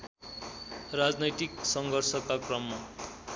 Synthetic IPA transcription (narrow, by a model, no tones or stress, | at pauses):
rad͡znʌjt̪iksʌŋɡʱʌrsʌkakrʌmːa